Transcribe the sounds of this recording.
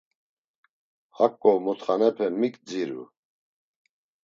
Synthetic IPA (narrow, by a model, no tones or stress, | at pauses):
hakʼːɔwmut̪χanɛpʰɛmikʼd͡ziɾṵ